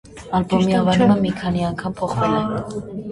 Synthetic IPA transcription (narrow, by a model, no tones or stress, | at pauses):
ɑlbɔmiɑvɑɾuməmikʰɑniɑŋkʰɑmpʰɔχvɑnɛj